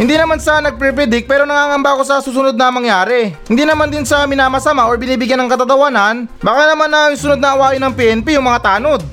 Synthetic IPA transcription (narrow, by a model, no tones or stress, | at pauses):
hɪnd̪iːnɐmansɐʔanɐɡ̚pɛpɛd̪ɪk̚pɛːɾo̞nɐŋaːŋɐmbako̞sɐsuːsʊno̞d̪̚nɐmɐŋjaːɾɛhɪnd̪iːnɐmand̪ɪnsɐmɪnaːmɐsɐmaʔoɹbɪniːbɪɡjanːɐŋkɐt̪ɐt̪ɐwanɐnbaːkanɐmanːɐŋsʊno̞d̪̚nɐʔɐwaːʔɪnɐŋpiːʔɛnpijʊŋmɐŋat̪aːno̞d̪̚